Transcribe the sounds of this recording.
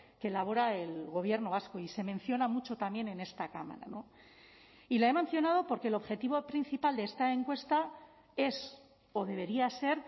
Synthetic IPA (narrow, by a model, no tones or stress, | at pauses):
keːlaβ̞o̞ɾaelɣ̞o̞β̞je̞ɾno̞βasko̞ise̞mẽ̞n̟θjo̞namut͡ʃo̞t̪amje̞ne̞ne̞st̪akama̰ɾa̰no̞ | ilae̞men̟θjo̞nað̞o̞po̞ɾke̞ːlo̞βxe̞t̪iβo̞pɾin̟θipald̪e̞est̪ae̞ŋkwest̪a | e̞s | o̞ðe̞β̞e̞ɾiase̞ɾ